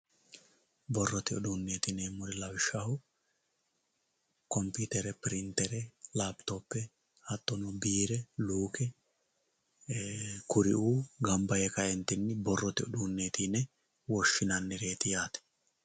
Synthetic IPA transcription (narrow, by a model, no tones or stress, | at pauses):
bɔrːɔt̪ɪɔd̪uːnːe̞ːt̪ɪnɛmʊɾɪlɐwɪʃːɐhʊ | kɔmpiːt̪ɛɾɛpɪɾɪnt̪ːɛɾɛlaːbt̪oːpːɛ | hɐt̪ːɔnɔbiːɾɛluːkɛ | kʊɾɪ̰ʔuːɡɐmbɐjɛkɐɛnt̪ɪnːɪbɔrːɔt̪ɪɔd̪uːnːeːt̪iːnɛ | wɔʃːɪnɐnːɛɾe̞ːt̪ɪjaːt̪ɛ̥